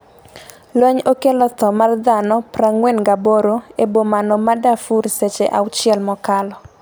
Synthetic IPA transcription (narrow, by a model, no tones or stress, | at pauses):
lwɛɲokelɔt̪ɔmard̪anɔpraŋwɛnɡaboɾoebomanɔmadafuɾset͡ʃeʔawt͡ʃɪɛlmɔkalɔ